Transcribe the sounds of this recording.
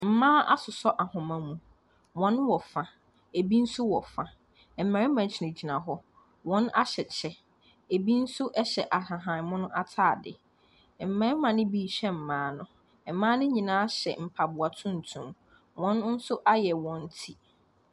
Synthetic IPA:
m̩˨mãː˦ʔa˦sʊ˨sɔ˦ʔa˨hʊ̃˨mã˨mũ˨ | wɔ̃˦nwɔ˨fã˨ | e˨bi˦n̩˦sʊ˦wɔ˨fã˨ | m̩˨mã˨ɾɪ˦mã˨t͡ɕʰɪ˨nʊ̃˨d͡ʑi˨nã˨ɦɔ˦ | wɔ̃˦na̰˦ɕɛ˨t͡ɕʰɛ˦ | e˨bi˦n̩˦sʊ˦ʔɛ˦ɕɛ˨ʔa˨ɦã˨ɦã˨n˨mʊ̃˦nʊ̃˦ʔa˦tʰaː˦˨dɪ̰˨ | m̩˨mã˨ɾɪ˦mã˨nɪ̃˦biː˦˨ɕɛ˦m̩˨mãː˨˦nʊ̃˨ | ɛ˨mã˦nɪ̃˦ɲĩ˨nãː˨˦a˦ɕɛ̰˨m̩˨pʰa˨bʊ˨a˨tʰũ˦n̩˨tʰũ˨m | wɔ̃˦nn̩˦sʊ˦ʔa˦jɛ˨wɔ̃˨n˦tʰi˦

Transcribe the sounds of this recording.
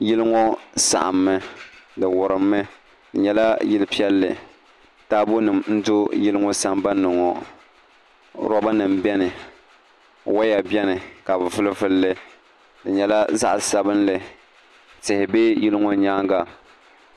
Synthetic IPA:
jɪ˦lɨ˦ŋɔ˦sa̰˨ʔa̰˨mːɨ˦dɨ˨wʊ˨ɾɨ˨mːɨ˦ | dɨ˨ɲɛ˦la˦jɪ˦lpi˦ɛ˦lːɨ̰˨ | taː˦bo˦nɨ˨mn̩˦dʊ˦jɪ˦lɨ˦ŋɔ˦sa˦mba˦nɨ˨ŋɔ˨ | ɾɔ˦ba˦nɨ˨m˨bɛ˦nɨ˨ | wa˦ja˨bɛ˦nɨ˨ka˨bɨ˨vʊ˦lɨ˦vʊ˦lːɨ˦ | dɨ˨ɲɛ˨˦la˦za̰˦ʔsa˦bɨ˦nlɨ˨ | tɪ˨hɪ˨be˦jɪ˦lɨ˦ŋɔ˦ɲaː˦ŋɡa˦

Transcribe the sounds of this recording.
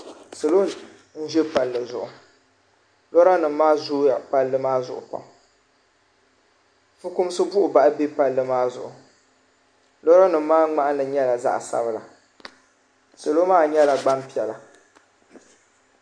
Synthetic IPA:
sɨ˨lo˦ | n̩˦ʒɛ˦pa˨lːɨ˨zʊ˨ʔʊ˨ | lɔ˦ɾa˦nɨ˨m˦maː˦zu˦ja˨pa˨lːɨ˦maː˦zʊ˨ʔʊ̰˨pa̰˨ŋ | fɨ˦kʊ˦m˦sɨ˦bʊ˦ʔʊ˨ba˨ʔbe˦pa˨lːɨ˦maː˦zʊ˨ʔʊ˨ | lɔ˦ɾa˦nɨ˨m˦maː˦ŋ͡ma˦ʔa˦lɨ˨ɲɛ˦la˨za̰˦ʔsa̰˦bɨ˦la˨ | so˨lo˦maː˦ɲɛ˦la˨ɡ͡ba˦mpi˨ɛ˨la˨

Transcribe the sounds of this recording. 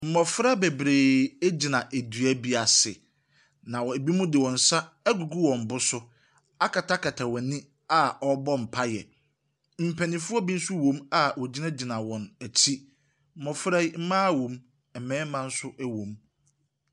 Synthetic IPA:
m̩˨mɔ˨fɾa˦be˨bɾeː˨æ˦d͡ʑi˨nã˨ʔæ˨dɥæ˦bi˦a˨sɪ˨ | nã˨wɔ˨æ˨bi˦mũ˦dɪ˨wɔ̃˨n̩˨sa˦ | ɡu˨ɡu˦wɔ̃˨m̩˨bʊ˦sʊ˦ | a˦kʰa˨tʰa˦kʰa˨tʰa˨wɔ̃˨nĩ˦ | a˨ɔ˦bɔ˦m̩˨pʰa˦jɛ̰˨ | m̩˨pʰæ˨nĩ˨fʊ˦ɔ˦bi˦n̩˦sʊ˦wõ˨˦ma˨wɔ˨d͡ʑi˦nã˦d͡ʑi˨nã˨wɔ̃˨næ˨tʰi˦ | m̩˦˨mɔ˨fɾɛ˦i˦m̩˦mãː˦wõ˨m | ɛ˨mɛ̃ː˦mã˦n̩˦sʊ˦ʔæ˦wõ˨˦m

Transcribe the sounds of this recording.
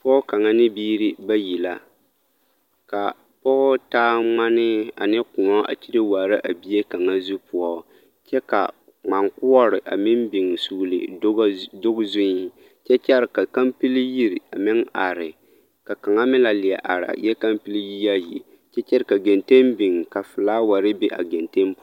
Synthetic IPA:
pɔ˦ʊ˦ka˨ŋa˦nɪ˦biː˦ɾi˦ba˦ji˨la˦ | ka˨ | pɔ˦ʔʊ˦taː˦ŋ͡ma˦nɪ˦a˨nɪ˦kʊ˨ŋɔ˦a̰˨t͡ʃi˦ɾɪ˦wa˨ɾɪ˦ʔa˨bi˦e˦ka˨ŋa˦zu˦pʊ˨ɔ˦ | t͡ʃɛ˦ka̰˨ | ŋ͡ma˨ŋkʊ˦ɔ˦ɾɪ˨ʔa̰˨mɪ˦n˦bɪ˨ŋsu˦lɨ̰˨˦ | dʊ˦ɡzʊ˦n˦ | t͡ʃɛ˦t͡ʃɛ˦ɾka˨ka˦mpɨ˦lji˦ɾi˨a˨mɪ˦ŋa˨ɾɪ˨ | ka˨ka˨ŋa˦mɪ˦la˨lɪ˨ɛ˨ʔa˨ɾa̰˨jɛ˦ka˦mpɨ˦li˦ji˦ja˦ji˨ | t͡ʃɛ˦t͡ʃɛ˦ɾɪ˨ka˨ɡɛ˨nte˦mbi˨ŋ˨ka˨fɨ˨laː˦wa˨ɾɪ˦be˦ʔa̰˨ɡɛ˨nte˦np

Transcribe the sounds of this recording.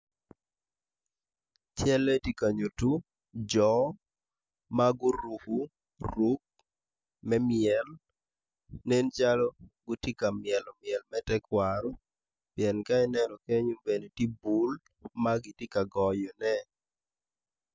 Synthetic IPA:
t͡ʃɛ˦lɛ˦ti˦ka˨ɲo˨tu˦ | d͡ʒɔ˨ | maɡʊ˦ɾu˨hu˦ | ɾu˦k̚ | mɛ˦mɪɛl | ne˦nt͡ʃalɔ˦ɡʊ˦ti˦ka˨mɪɛ˨lɔ˨mɪɛ˨lmɛ˦tɛ˦kwaɾɔ˦ | piɛ˨nka˦ɛ˦nɛnɔ˨ke˦ɲu˦be˨ne˨ti˦bu˨l | maɡi˨ti˦ka˨ɡɔ˨jɔ˨nɛ

